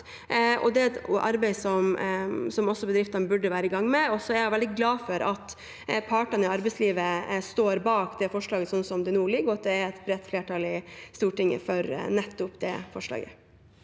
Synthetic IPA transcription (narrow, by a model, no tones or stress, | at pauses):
ɔ̰d̪ɛʔɑ̰ɾbæɪsɔmsɔmɔsːɔbəd̪ɾɪft̪ɑnəbʉɖəʋæːɾəɪɡɑŋːmɛɔsɔɛæɾjæʋɛld̪ɪɡlɑːfɔɾʔɑt̪ | pʰɑːʈɑnəɪɑɾbɛɪsliːʋəst̪oːɾbɑːkd̪ɛfɔʂɭɑːɡəsɔnsɔmd̪ɛnuːlɪɡːɔɑt̪̚d̪ɛæɾɛt̪bɾɛt̪ːfleːʈɑːlɪst̪uːʈɪŋːə̰fɔɾnɛt̪ːʊpd̪ɛ̰fɔʂlɑ̰ːɡə̰